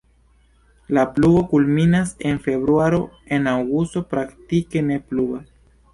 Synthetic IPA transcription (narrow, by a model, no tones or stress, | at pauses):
lapluɡo̞kulminase̞nfe̞bɾuaɾo̞ | e̞nawɡusto̞pɾaktike̞ne̞pluɡas